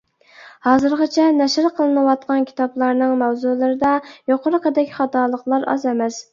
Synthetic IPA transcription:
hɑːzɨɾʁɑt͡ʃʰɛnɛʃɾqʰəlˠɨnɨwɑt̪̚qʰɑnkʲʰi̥t̪ɑplˠɑɾnɨŋmɛwzulˠɨɾɨd̪ɑjoqʰʊɾəqəd̪ɛkʲχɑt̪ɑːlˠəqlˠɑɾɑ̰zɛmɛs

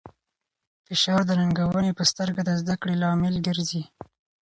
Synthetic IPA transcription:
fɪʃɑɾd̪ənaŋɡawənepəst̪əɾɡad̪əzd̪akɽelɑmɪlɡəɾzi

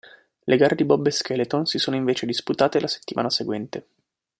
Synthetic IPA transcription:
lʔeɡaːɾed̪ibɔbːeskɛlet̪onsisoːnoĩɱveːt͡ʃed̪isput̪aːt̪elase̥t̪ːima̰ːnaseɡwɛnt̪e

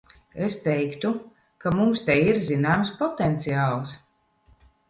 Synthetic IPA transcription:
est̪ɛjkt̪u | kamumst̪ɛjiɾzinaːmspɔt̪ɛnt̪siaːlˠs

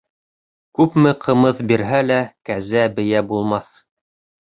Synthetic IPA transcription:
kʉpmɘqʰɤ̆mɤθbiɾɦælækæzæbɘ̆jæbulˠmɑθ

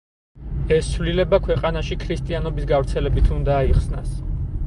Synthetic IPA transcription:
ɛst̪sʰvlilɛbakʰwɛqʼanaʃikʰɾist̪ʼianɔbisɡavɾt̪sʰɛlɛbit̪ʰund̪aːiχsnas

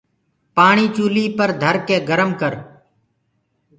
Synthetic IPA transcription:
paːɳiːt͡ʃuːliːpəɾd̪ʱəɾkeːɡəɾəmkəɾ

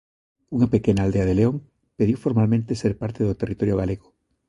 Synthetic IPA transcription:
uŋapekenald̪eaðeleoŋ | peðuwfoɾmalmẽnt̪eseɾpaɾt̪eðot̪erit̪oɾjoɣ̞aleɣo̥

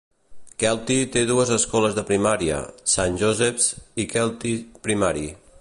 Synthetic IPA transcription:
kɛlˠt̪it̪eðuəzəskɔləzðəpɾimaɾiə̰sanʲʒozɛpsikɛlˠt̪ipɾimaɾi

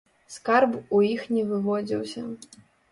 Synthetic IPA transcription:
skarbujixnʲɛvɨvɔd͡zʲḭwsʲɐ

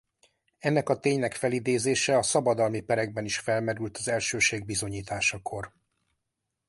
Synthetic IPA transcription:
ɛnːɛkɒt̪eːɲnɛkfɛlid̪eːzeːʃɛɒsɒbɒd̪ɒlmipɛɾɛɡ̚bɛniʃfɛlmɛɾylt̪ɒzɛlʃøːʃeːɡ̚bizo̞ɲiːt̪aːʃɒkʰo̞r

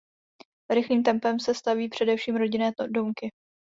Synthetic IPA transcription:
ɾɪxliːmt̪ɛmpɛmsɛst̪aviːpr̝̥ɛdɛfʃiːmɾo̞ɟɪnɛːdomkɪ

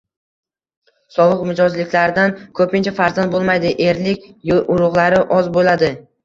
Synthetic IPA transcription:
sɒvˠɨqmɪd͡ʒɒzlɪkʲlaɾɪd̪ankʰɵpɪnt͡ʃʰafaɾzand̪bolˠmajd̪ɪʔeɾlɪkʲjʔʊɾʊʁlˠaɾɪʔɒzbolad̪ɪ

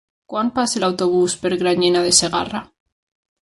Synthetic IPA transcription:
kwampaselawt̪oβ̞uspeɾɣɾaɲenaðeseɣa̰ra

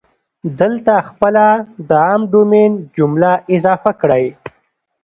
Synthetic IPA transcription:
d̪əlt̪axpəlad̪əɑmd̪omend͡ʒʊmlaʔɪzɑfakɽəj

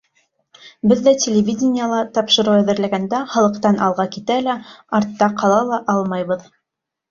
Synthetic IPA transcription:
bɘðːætʲʰelʲɪvʲidʲɪnʲɪjəlˠɑt̪ɑpʃɤ̆ɾɤwæðɘ̆ɾlæɡænd̪æχɑlˠɤ̆qt̪ɑnʔɑlˠʁɑkit̪ælæɑɾt̪ːɑqʰɑlˠɑlˠɑʔɑlˠmɑjβɤð

